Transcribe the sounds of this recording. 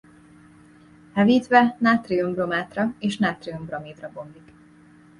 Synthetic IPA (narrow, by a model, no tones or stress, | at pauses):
hɛviːt̪ʋɛnaːt̪riombromaːt̪rɒeːʃnaːt̪riombrɒmiːd̪rɒbo̞mbik